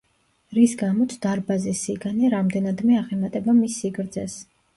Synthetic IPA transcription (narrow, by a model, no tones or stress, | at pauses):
ɾisɡamɔt̪ʰd̪̥aɾbazɛsiɡaniɾamd̪ɛnad̪mɛaʁɛmat̪ʼɛbamisːiɡɾd̪zɛs